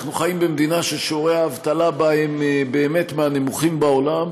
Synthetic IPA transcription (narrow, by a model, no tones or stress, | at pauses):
χnuχajimbemd̪inaʃelʃoʁeaːvt̪alabaembe̞ːme̞t̪meanemuχimbaolam